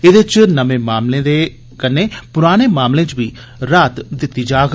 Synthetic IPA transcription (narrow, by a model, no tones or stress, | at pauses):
ɪd̪ɪt͡ʃnəʋẽːmaːmlẽːd̪eː | kəneːpʊɾaːñeːmaːmlẽːt͡ʃʋiː | ɾaːt̪d̪ɪt̪ːiːd͡ʒaːɡ